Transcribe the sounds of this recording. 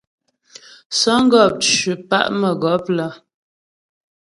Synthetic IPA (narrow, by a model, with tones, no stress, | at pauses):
sɔ˦ŋ̩˦ɡɔ˦˨p̚t͡ʃʉ˨pa̰˦ʔmə˨ɡɔ˨˦p̚lə˦